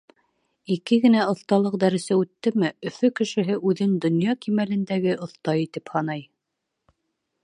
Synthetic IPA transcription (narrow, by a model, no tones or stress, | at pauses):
ikɘɡɘ̆næŏθt̪ɑlˠɤq̚d̪æɾɘ̆sæʉt̪ːɘmɘɵ̆fɵkɘ̆ʃɘ̆ɦɘʔʉðɘnd̪ŏnjɑkimælɘ̆nd̪æɡɘʔŏθt̪ɑjit̪ɘphɑnɑj